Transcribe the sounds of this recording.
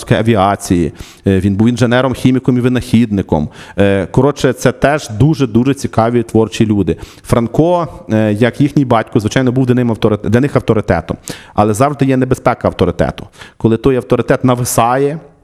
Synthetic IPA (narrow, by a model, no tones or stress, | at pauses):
kɔjɐʋʲiɑt͡sʲiji | ʋʲinbuwinʒenɛɾɔmxʲimʲikɔmiʋɪnɐxʲid̪̚nɪkɔ̰mkɔɾɔt͡ʃɛt̪sɛt̪ɛʒd̪uʒɛd̪uʒɛt͡sʲikɑʋʲit̪ʋɔrt͡ʃilʲud̪ɪ | fɾɐnkɔjɐkjixnʲijbɑtʲkʊzʋɪt͡ʃɑjnɔbuwd̪lʲɐnɪmɐwt̪ɔɾɪd̪lʲɐnɪxɐwt̪ɔɾɪt̪ɛ̰t̪ɔmɐ̰lˠɛzɑwʒd̪ɪjɛnebespɛkɐɐwt̪ɔɾɪt̪ɛ̰t̪ʊ̥kɔlˠɪt̪ɔjɐwt̪ɔɾɪt̪ɛt̪nɐʋɪsɑjɛ